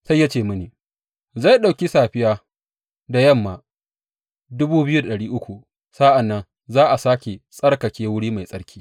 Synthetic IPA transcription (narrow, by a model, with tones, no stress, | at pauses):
sa˦jːa˦t͡ʃeː˦˨mʊ˦niː˨ | za˦˨jɗa˨wkʲi˦saː˨ɸɪ˦jaː˦ | da˨jɐ˦˨mːaː˨ | dʊ˦buː˦bɪ˦ju˦da˨ɗɐ˨ɽiː˦ʔʊ˦kʷu˨ | sa˦ʔa˨nːɐ˦n | zaː˦ʔa˨saː˦kʲe˨sʼɐ˦rkɐ˨kʲeː˦wʊ˦ɽiː˦ma˨jsʼɐ˦ɽkʲʰiː˦